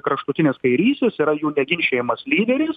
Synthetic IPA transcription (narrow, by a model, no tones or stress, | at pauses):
kɾɐʃt̪ʊt̪ʲɪnʲeːskɐɪɾʲiːsʲt̪ʲeːsiɾɐjuːnʲɛɡʲɪnʲʃʲeːjɪmɐslʲiːd̪ʲɛɾʲiːs